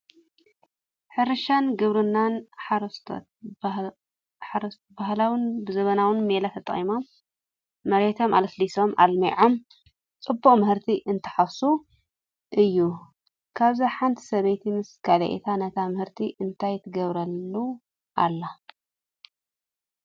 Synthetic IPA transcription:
ħɨɾɨʃanɡɨβɾɨnːanħaɾɐst̪ʰo̰t̪̚ | aɾ | bahlawɨnbɨzɐβɐnawɨnmelat̪ʰɐt̪ʼɐχʼimo̞mː | ɐɾet̪ʰo̞mʔa̰lɐsliso̞mʔa̰lmiʕom | t͡sʼɨbːukʼmɨhɨɾt̪ʰiʔɨnt̪ʰɐ̥ħafsu | ʔɨjːu | kʰaβzaħant̪ʰi̥sɐβejt̪ʰimɨskʰalɐ̰ʔḛt̪ʰanɐt̪ʰamɨhɨɾt̪ʰiʔɨnt̪ʰajɪt̪ʰɐɡɐβɾɐlːu | ʔa̰lːa

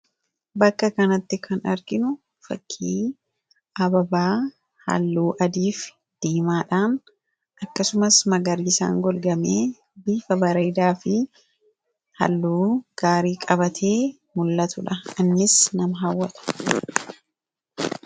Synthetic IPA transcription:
bɐkːɐkɐnɐt̪ːɪkʰɐnɐ̰ɾɡɪnʊ | fɐ̰kʰːiː | ɐbɐbaː | hɐ̰lːuːʔɐd̪iːf | d̪̥iːmaːᶑaːn | ʔɐkːɐsʊmɐsmɐɡɐɾiːsa̰ːŋɡɔlɡɐmeː | biːfɐbɐɾɐjd̪aːfɪ | hɐ̰lːuːɡ̥aːɾiːkʼɐbɐt̪ʰeː | mʊlːɐt̪ʊᶑɐɪnːɪsnɐmɐɦawːɐt̪ʰʊ̥

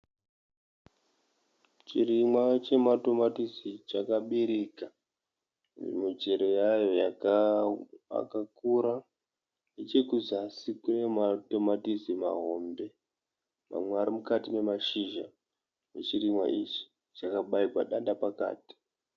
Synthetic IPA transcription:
t͡ʃiɾimwat͡ʃe̞mato̞matisit͡ʃakaɓiɾika | ʐḛmud͡ʒeɾo̞jajo̞ja | a̰kakuɾa | net͡ʃekuzasikune̞mato̞matisima̰ɦo̞mbe̞ | ma̰mweaɾimukatine̞maʃiʒa | net͡ʃirimwa̰ʔit͡ʃi̥ | t͡ʃakaɓaiɡwa̰ɗanɗapaka̰ːti̥

